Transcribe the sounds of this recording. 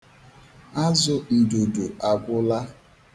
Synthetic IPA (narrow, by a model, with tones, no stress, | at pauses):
a˦zʊ˨n̩˨dʊ˨dʊ˨a˨ɡʷʊ˦la˦